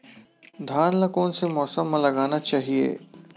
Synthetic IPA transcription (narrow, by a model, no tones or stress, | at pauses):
d̪ʱaːnlɐkõːnsemɔːsəmːãlɐɡaːnat͡ʃaːɦiḛː